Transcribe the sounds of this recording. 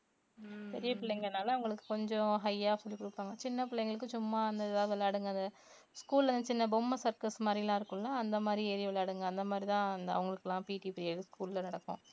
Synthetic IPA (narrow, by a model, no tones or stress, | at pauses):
pɛɾɪjɐpɪɭːɛjŋɡɐnːaːlɐːʋɐŋɡɐɭɯkːɯ̥kɔɲd͡ʒɔ̃ɦɐjaːsɔlːikʊɽɯpːaːŋɡɐt͡ʃɪnːɐpɪɭːɐjŋɡɐɭɯkːɯt͡ʃʊmːaːɐnd̪ɐðaːðʋɐlːaːɽɯŋɡɐɐnd̪ɐ | skuːlɐnd̪ɐt͡ʃɪnːɐbomːɐsɐɾkɐsmaːd̪ɾilãːɪɾɯkːɯ̃lãːɐnd̪ɐmaːd̪ɾieːɾɪʋɐlaːɽɯŋɡɐɐnd̪ɐmaːd̪ɾit̪ãːɐnd̪ɐɐ̰ʋɐŋɡɐɭɯkːɛlːãːpiːʈiːpɾijɐːɾɯskuːllɐnɐɽɐkːʊ̰̃